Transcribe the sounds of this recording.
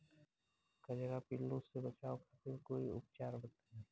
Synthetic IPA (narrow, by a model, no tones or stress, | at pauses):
kɐd͡ʒəɡapɪlːõsebət͡ʃaːokapʰɪɾkoːiʊ̰pt͡ʃaːɾbət̪aɦɛ̃